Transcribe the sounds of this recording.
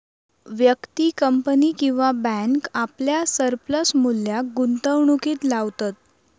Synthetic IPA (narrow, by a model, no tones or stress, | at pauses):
ʋjəkt̪iːkəmpəniːkĩw̃ʋabæŋkapljasəɾpləsmuljaɡunt̪əʋɳukiːt̪laʋt̪at̪̚